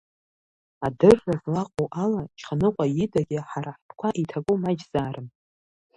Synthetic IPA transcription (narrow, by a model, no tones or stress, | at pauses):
adɨrːazlaqʼowʔalat͡ʃʰχʰanɨqʷʼajɪdaɡʲɪħaɾaħpʰʼkʷʰaʔitʰakʼomad͡ʒzaːɾɨm